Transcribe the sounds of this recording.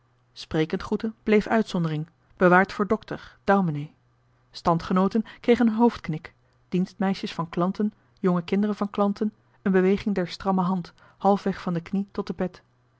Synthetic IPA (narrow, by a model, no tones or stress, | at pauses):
sprejkəntχutəb̥lejfœɥtsɔndərɪŋ | b̥əʋaːɹtfʊːɹdɔktəɹd̥owmənej | stɑntχənowtənkrejχənɦowftknɪk | d̥instmɛjʃəsfɑnklɑntən | jɔŋəkɪndərənv̥ɑnklɑntən | ənbəʋejχɪŋdɛɹstrɑməɦɑnt | hɑlˠfʋɛχfɑndəknitɔt̚dəbɛt